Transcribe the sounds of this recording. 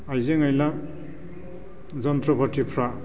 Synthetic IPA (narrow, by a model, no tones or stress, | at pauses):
ajzeŋʌjla | zʌnt̪ɾɔbʱʌʈʰipʰɾa